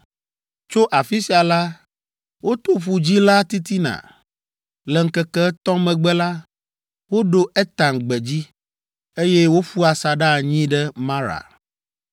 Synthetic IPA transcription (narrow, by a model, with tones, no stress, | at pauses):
t͡ʃo˦ʔa˨fi˦si˨a˨la˦ | wo˦t̪o˦ɸu˨d͡ʑi˦la˦t̪i˦t̪i˦nã̰˨ | lɛ˨ŋ̩˦kɛ˦kɛ˦t̪ɔ̃˦mɛ̃˨ɡ͡bɛ˦la˦ | wo˦ɖo˦ʔɛ˦t̪ã˨ŋ˨ɡ͡bɛ˨d͡ʑi˦ | e˦jɛ˦wo˦ɸu˦a˨sa˨ɖa˦˨ɲĩ˦ɖɛ˦mã˦ɾa̰˨